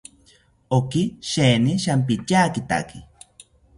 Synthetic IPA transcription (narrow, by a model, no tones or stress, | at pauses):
okiʃeːniʃamp̬it͡ʃaːkit̪a̰ki